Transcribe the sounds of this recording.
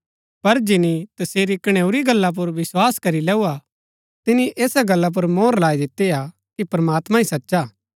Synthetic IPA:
pɐɾd͡ʒɪnit̪ɐseːɾikɐɽ̃ɛːuɾiɡɐlːap̬ʊɾʋɪswaːskɐɾilɛːua | t̪ɪniʔeːsaɡɐlːap̬ʊɾmoːɾlaːid̪ɪt̪ːea | kipɾmaːt̪mãĩsɐtːʃaː

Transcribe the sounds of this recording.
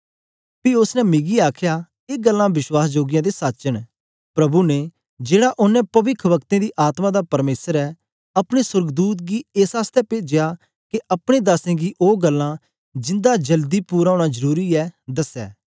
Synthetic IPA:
piʊsnɛmɪɡiaːkʰjaː | eːɡəlːãːbɪʃwaːsd͡ʒoːɡɪjãːd̪esaːt͡ʃəɽ̃ | pɾɐbune | d͡ʒeːɽaʔʊnːɛ̃pɐʋɪkʰʋɐkt̪ẽːd̪iʔaːt̪mãd̪apɐɾmeːsəɾɛː | ɐpɽ̃esʊɾɡd̪uːt̪̚ɡiːeːsaːst̪ɛpeːd͡ʒɪjaː | keʔɐpɽ̃ed̪aːsẽːɡiːʔoːɡəlːã | d͡ʒɪ̃nd̪ad͡ʒəld̪ipuːɾaːoːɽ̃ad͡ʒəɾuːɾiɛːd̪ɐsɛ̰ː

